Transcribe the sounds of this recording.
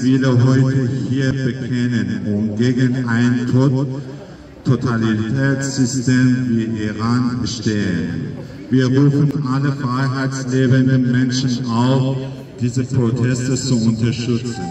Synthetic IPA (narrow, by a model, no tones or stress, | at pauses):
fiːləɦɔʏtəhiːɐbəkʰɛnənʔʊmɡeːɡənʔaɪntʰ | tʰotʰalitʰɛːt͡sz̥ʏsteːmviːʔiʁaːnbəʃteːən | viːɐʁuːfn̩ʔaləfʁ̥aɪɦaɪt͡sleːbəndənmɛnʃn̩ʔaʊf | d̥iːzəpʁ̥otʰɛstət͡suʔʊntɐʃtʏt͡sn̩